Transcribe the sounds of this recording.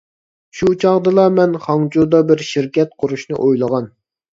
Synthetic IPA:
ʃut͡ʃʰɑʁd̪ɨlˠɑmɛnχɑŋt͡ʃud̪ɑbɪɾʃiɾkʲɛt̪̚qʰʊɾuʃnɨ̰ʔojlˠəʁɑn

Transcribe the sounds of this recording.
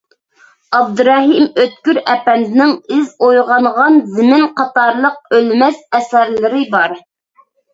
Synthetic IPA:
ɑb̚d̪ɨɾɑɦimøt̪̚kʲyɾɛpɛnd̪ɪnɪŋɪzojʁɑɴʁɑnzɪmɪnqʰɑt̪ɑɾlˠəq̚ølmɛsɛsæɾlɪɾɪbɑɾ

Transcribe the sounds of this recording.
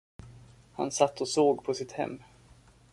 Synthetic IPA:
ha̰nsat̪ːɔsoːɡpʰɔsɪt̪hɛ̰mː

